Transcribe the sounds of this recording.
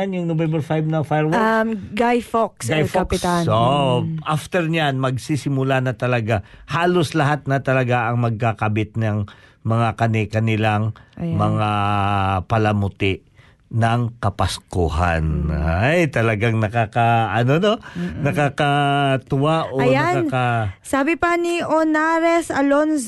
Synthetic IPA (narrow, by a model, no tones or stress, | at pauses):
anjʊŋnobɛmbɛɹfajb̚nɐŋfajɹwaɡajfoksɡajfopɪst̪aoʔʔaft̪ɛɹɲanmɐɡsisɪmʊlanɐt̪ɐlɐɡahaːloslɐɦat̪̚nɐt̪ɐlɐɡaʔɐŋmɐɡ̚kakɐbɪt̪̚nɐŋ | mɐŋakɐnɪkɐnɪlaŋmɐŋa | pɐlɐmʊt̪ɪʔ | nɐŋkɐpɐskoɦa̰najt̪ɐlɐɡaŋnɐkakaʔɐnononɐkakat̪ʊwaʔoɐjakakasaːbɪpɐniʔonaɾɛsɐlons